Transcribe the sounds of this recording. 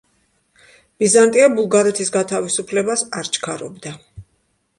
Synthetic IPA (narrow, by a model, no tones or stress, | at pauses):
b̥izant̪ʼiabulˠɡaɾɛt̪ʰisɡat̪ʰavisupʰlɛbasaɾt͡ʃʰkʰaɾɔbd̪a